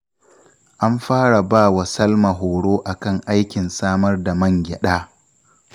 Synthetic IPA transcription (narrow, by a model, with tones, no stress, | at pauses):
ʔa˦mɸaː˦ɽa˨baː˦˨wa˨sɐ˦lma˨ɦoː˨ɽoː˦ʔa˨kɐ˦˨ŋʔa˦jkʲɪ˨nsaː˦mɐ˦rda˨mɐ˦˨ŋɡʲɪ˨ɗaː˦